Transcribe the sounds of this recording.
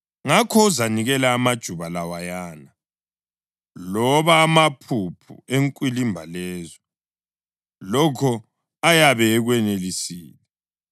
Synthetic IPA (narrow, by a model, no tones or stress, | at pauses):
ŋakʰɔuzaniɣɛlaːmad̥ʒ̥ʱuβalawajaːna | lɔβaːmapʰupʰṵeŋkʼwilimbʱalɛːzɔ | lɔkʰɔ | ajaβɛːɣwɛnelisḭːlɛ